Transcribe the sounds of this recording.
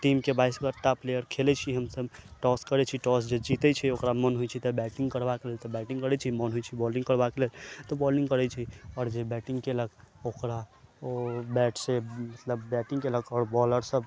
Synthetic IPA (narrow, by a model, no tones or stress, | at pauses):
ʈimkebaiskəɾʈ̪aplejəɾkʰelɛt͡ʃʰiɦəmsəbʈɔskəɾɛt͡ʃʰiʈɔsd͡ʒed͡ʒit̪ɛt͡ʃʰɛokɾamənɦojt͡ʃʰit̪ɔbɛʈĩŋɡkəɾbakelelt̪ɔbɛʈiŋɡkəɾɛt͡ʃʰimənɦojt͡ʃʰibɔlĩŋɡkəɾbakelelt̪ɔbɔlĩŋɡkəɾɛt͡ʃʰiɔːɾd͡ʒebɛʈĩŋɡkeləɡokɾaobɛʈsemət̪ləbːɛʈĩŋɡkeləɡɔːɾbɔləɾsəb